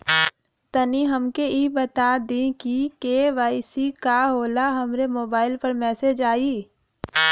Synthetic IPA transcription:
t̪ɐniɦɐmkeibət̪ad̪ĩkikeːʋaːisikaɦoːlaɦɐmɾemoːbaːɪlpɐɾmɛːsed͡ʒaːiː

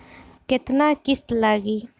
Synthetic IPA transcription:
kɪt̪naːkɪst̪laːɡiː

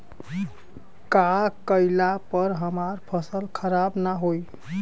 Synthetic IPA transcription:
kakəɪlapəɾɦəmaɾpʰəsəlkʰəɾabnaɦoj

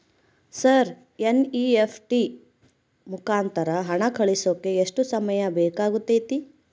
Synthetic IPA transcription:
sɐɾ | eniepʰʈi | mukaːnt̪ɐɾɐɦɐɳɐkʰɐɭisoːkːeːʂʈusɐmɐjɐbɛːkaːɡut̪ːejt̪i

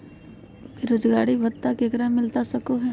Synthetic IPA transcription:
ɾoːd͡ʒɡaːɽibʱɐt̪t̪ːakeːkɾamɪlt̪asɐkoɦɛ

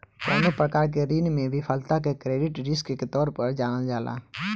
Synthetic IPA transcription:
kaːnʊpɾəkaːɾk̬eɾiːnmẽʋɪfʰəlt̪ak̬ekɾeːɖɪʈɾɪskket̪ɔːɾpəɾd͡ʒaːnad͡ʒaːla̰ː

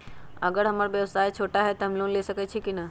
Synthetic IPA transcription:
ɐɡəɾɦɐmaɾʋjɐʋsaːjt͡ʃʰoːʈaɦɛt̪oɦɐmloːnleːsɐkɛt͡ʃʰikinɐ

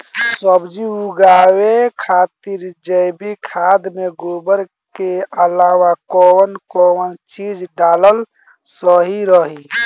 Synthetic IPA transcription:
səbd͡ʒiuɡawekʰat̪iɾd͡ʒəɪbikʰaːd̪meɡobəɾ | keəlaːwakɔwənkɔənt͡ʃid͡ʒɖaːləl | səɦiɾəɦi

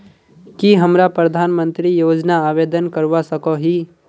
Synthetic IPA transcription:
kiɦəmɾapɾəd̪ʱaːnmə̃nt̪ɾijoːd͡ʒnaaːʋeːd̪ənkəɾʋasəkoɦi

